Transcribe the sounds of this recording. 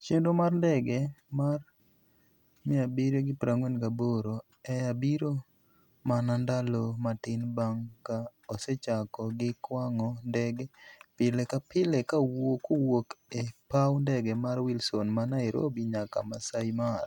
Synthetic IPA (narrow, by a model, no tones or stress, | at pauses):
t͡ʃendomarndɛɡɛmar | mɪabiɾeɡɪpɾʔaŋwenkaboɾo | ɛabiɾo | manandalomatɪnbaŋkaɔsɛt͡ʃakɔɡɪkwaŋɔndɛɡɛpɪlekapɪlɛkawokowokepawndɛɡɛmaɾwilsonmanaɛɾo̰biɲaka̰masaimar